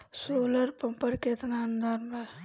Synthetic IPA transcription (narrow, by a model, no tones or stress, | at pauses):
soːləɾpɐmpəɾket̪ɐnaɐnd̪ʱaɾme